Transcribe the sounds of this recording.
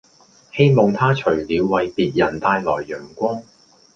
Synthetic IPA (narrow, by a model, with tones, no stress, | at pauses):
he˥jmɔ˨˧ŋt̪ʰaː˥t͡ʃʰɵ˨˩ɥliː˨˧wːɐ˨˧jpiː˨t̚jɐ˨˩nt̪aː˧jlɔː˨˩jːœː˨˩ŋkʷɔː˥ŋ